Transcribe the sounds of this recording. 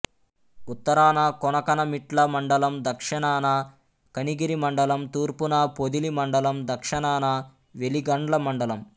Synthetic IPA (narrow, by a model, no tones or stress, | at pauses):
ut̪ːɐɾaːnɐkɔnɐkɐnɐmiʈlɐmɐɳɖɐlɐmd̪ɐkʂɐɳaːnɐ | kɐniɡiɾimɐɳɖɐlɐmt̪uːɾpunɐpod̪ilimɐɳɖɐlɐmd̪ɐkʂɐnaːnɐ | ʋeliɡɐɳɖlɐmɐɳɖɐlɐm